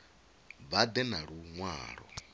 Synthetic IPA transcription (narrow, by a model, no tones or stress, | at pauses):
bad̪ɛnaɺuŋwaːɺɔ̰